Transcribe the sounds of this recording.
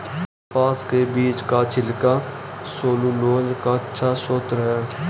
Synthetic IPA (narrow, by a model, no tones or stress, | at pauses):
paːskebiːt͡ʃkat͡ʃʰɪlka | soːluːloːd͡ʒkatːʃʰasoːt̪ɾɦɛː